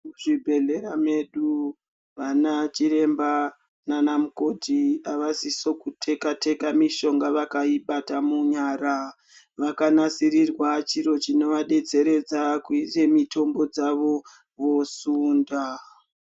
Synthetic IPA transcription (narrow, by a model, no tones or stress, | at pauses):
muʐibʱe̞ɮe̞ɾame̞ɗu | ʋanat͡ʃiɾe̞mba | nanamuko̞dʱiaʋasiso̞kutʰe̞katʰe̞kamiʃo̞ŋɡaʋakaiɓatamuɲaːɾa | ʋakanasirirwat͡ʃiɾo̞t͡ʃino̞ʋaɗe̞d͡ze̞ɾe̞d͡zakuire̞mitʰo̞mbo̞d͡zaʋo̞ | ʋo̞suːnda